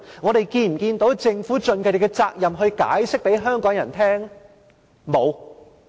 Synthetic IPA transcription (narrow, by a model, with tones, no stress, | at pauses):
ŋɔː˨˧ɾe˨jkiː˧nm̩˨˩kiː˧nt̪o˨˥wt͡sɪ˧ŋfuː˨˥t͡ʃɵ˧nkʰɵ˨˧t̪ɪ˨kːɛ˧t͡saː˧k̚jɐ˨mɦɵ˧ɥka̰ː˨˥jsɪ˥k̚pe˨˥jɦœː˥ŋkɔː˨˥ŋjɐ˨˩nt̪ʰɛː˥ŋ | mo˨˧w